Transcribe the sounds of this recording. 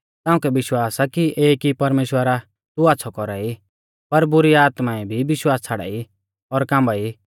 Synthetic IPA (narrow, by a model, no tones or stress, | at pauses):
t̪ãːʊ̃kɛʋɪʃwaːsakiʔeːkipɐɾmeːʃwəɾa | t̪uaːtːsʰɔkɔɾai | pɐɾbʊɾiaːt̪maɛbʱiʋɪʃwaːst͡sʰaɽa̰i | ɔɾkãːmbai